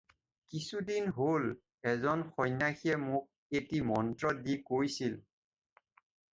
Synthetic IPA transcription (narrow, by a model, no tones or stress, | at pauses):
kisudinɦol | ɛzɔnxɔjnaxiɛmʊk̚ | etimɔntɹɔdikojsil